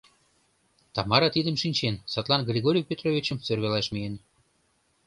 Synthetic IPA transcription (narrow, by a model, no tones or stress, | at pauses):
t̪ɑmɑɾɑt̪id̪ə̆mʃinʲt͡ɕensɑt̪lˠɑnɡrʲeɣoɾʲiwpʲet̪rovʲit͡ɕə̆msørβelɑʃmijen